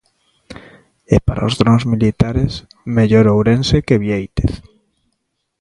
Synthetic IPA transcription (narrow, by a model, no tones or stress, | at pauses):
ɛpaɾa̰ozðɾonzmilit̪aɾes | meʎoɾowɾẽnsekeβjejt̪eθ